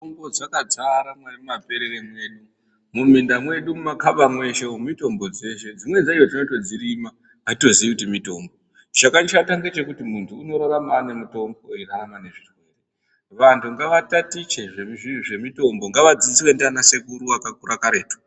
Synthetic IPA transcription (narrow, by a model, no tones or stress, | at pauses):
oŋbod͡zakad͡zaɾamwanammape̞ɾeremwe̞ɗu | mumindamwe̞ɗumumakaɓamwe̞ʃemito̞mbo̞d͡ze̞ʃe̞d͡zimwe̞d͡zaijod͡zinoto̞d͡ziɾimaː | to̞ziikutimito̞mbo̞ | t͡ʃakanʃataŋɡet͡ʃe̞kutimuntʰuːno̞ɾaɾamanemuto̞mboiraramane̞ʐirwe̞ːre | ʋantʰuŋɡaʋatatit͡ʃeʐemiiʐe̞mito̞mbo̞ŋɡaʋad͡zit͡siwe̞ndanase̞kuɾuakakuɾakaɾe̞ːto̥